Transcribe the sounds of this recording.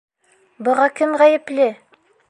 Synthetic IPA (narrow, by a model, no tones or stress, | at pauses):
bɤ̆ʁɑkɘmʁæjɘ̆plɘ